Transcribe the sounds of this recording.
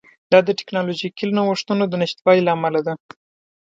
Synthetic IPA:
d̪̥ɑd̪əʈɪ̥knɑloʒikilnawoʂt̪ənod̪ənɪʃt̪wɑlilaːmalad̪a

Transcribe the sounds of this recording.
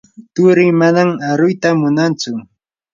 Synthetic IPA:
t̪ʊɾɪmanamaɾʊjt̪amʊnant͡sʊ

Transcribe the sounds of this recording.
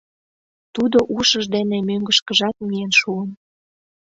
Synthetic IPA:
t̪ud̪oʔuʃəʒd̪enemøŋɡə̆ʃkə̆ʒɑt̪̚mijenʃuən

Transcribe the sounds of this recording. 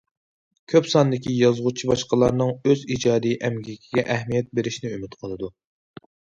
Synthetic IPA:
kʲʰøpsɑnd̪ɪkʲʰijɑzʁut͡ʃʰibɑʃqəlˠɑɾnɨŋøzid͡ʒɑːd̪iʔɛmɡʲikʲʰiɡʲɛʔæhmijɛt̪̚beɾɪʃnɪymyt̪qʰəlˠɨd̪u

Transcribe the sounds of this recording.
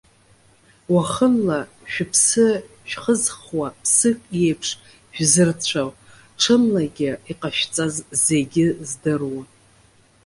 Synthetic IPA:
waχənla | ʃᶣʊpʰsɨ | ʃᶣχəzχwapʰsɨkʼjejpʰʂ | ʒᶣzɨrt͡ɕʷʰaw | ʈ͡ʂʰɨmlaɡʲɪiqʼaʃᶣt͡sʼazze̞ɡʲɪzdɨrwa

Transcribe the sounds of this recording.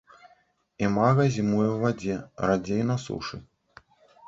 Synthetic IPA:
imaɣɐzʲimujɛwvad͡zʲɛɾad͡zʲejnasṵʂɨ̰

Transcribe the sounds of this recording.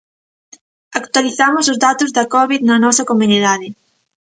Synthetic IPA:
akt̪waliθamʊs̬ʊzðat̪ʊzðɐkɔβiðnɐnɔsɐkomuniðaðɪ

